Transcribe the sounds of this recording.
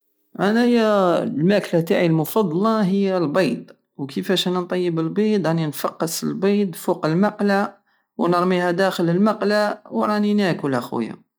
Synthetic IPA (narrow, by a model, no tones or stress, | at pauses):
ʔænæhəjːælmæklæt̪aʕilmʊfɑd̪ˤːlɑɦəjːælbɑjd̪ | wkʰəfæʃʔænænt̪ˤɑjːəbəlbid̪ɑninfɑqːəsəlbid̪fuqəlmɑqla | wnəɾˤmihæd̪æxələlmɑqlawɾˤɑninækwəlʔæxw̰ja̰